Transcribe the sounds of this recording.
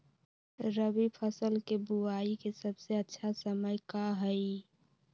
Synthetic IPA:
ɾəbipʰəsəlkebuaikesəbseətːʃʰasəməjkaɦəi

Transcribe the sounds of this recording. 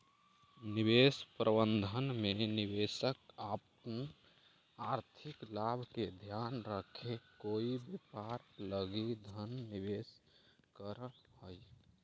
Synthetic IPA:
nibespɾəbənd̪ʱənmeniʋesəkap | ən | aɾt̪ʰiklabʱked̪ʱjanɾəkʰekoibepaɾləɡid̪ʱənːiʋes | kəɾhəj

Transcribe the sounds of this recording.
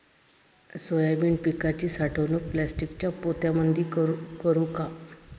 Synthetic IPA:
sojabiːɳpikat͡ɕiːsaʈʰəʋnukplæsʈikt͡ɕjapot̪jamənd̪ʱiːkəɾũka

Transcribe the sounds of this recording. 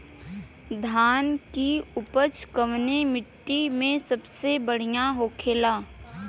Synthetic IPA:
d̪ʱaːnkiʊpət͡ʃkəʋnemɪʈːimẽsəbsebəɽ̤ijaɦoːkʰeːlaː

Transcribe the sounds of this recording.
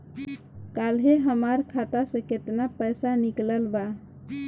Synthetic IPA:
kalɦeɦəmaɾkʰat̪asẽket̪napəjsanikləlba

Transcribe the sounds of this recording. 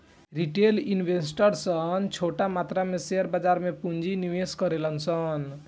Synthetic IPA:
ɾiʈelinbʱesʈəɾsəɦnt͡ʃʰoʈamat̪ɾameseəɾbad͡ʒaɾmepund͡ʒiniʋeskəɾelənsən

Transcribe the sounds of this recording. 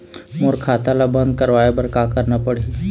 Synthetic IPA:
moɾkʰaːt̪alabɐ̃nd̪̚kɐɾʋaːebɐɾkaːkɐɾnapɐɽi

